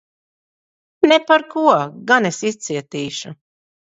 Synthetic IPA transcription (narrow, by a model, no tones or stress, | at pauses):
nepaɾkuɔɡanesist̪siɛt̪iːʃu